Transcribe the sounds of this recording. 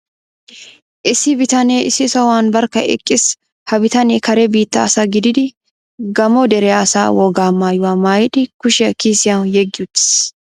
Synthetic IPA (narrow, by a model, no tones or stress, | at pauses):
ʔɪsɪbɪt̪ɐneːɪsɪsɐwaːnbɐɾkɐʔɛ̰kʼːɪs | hɐbɪt̪ɐneːkɐɾɛbiːt̪ːɐːsaɡɪd̪ɪd̪ɪ | ɡɐmɔd̪ɛɾɛasa̰ːwɔɡaːmaːjʊwaːmaːjɪᶑɪkʊʃɛkiːsɪjajɛɡːɪʊt̪ːɪ̥s